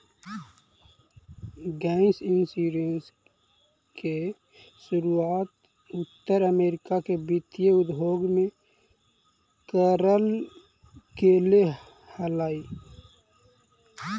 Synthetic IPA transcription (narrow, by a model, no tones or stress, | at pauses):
ɡaːnsinsiɾens | ke | sʊɾuaːt̪ | ʊt̪ːəɾəmeːɾɪkakebɪt̪jeʊd̪ʱoːɡmẽ | kəɾəl | kele | həlaːi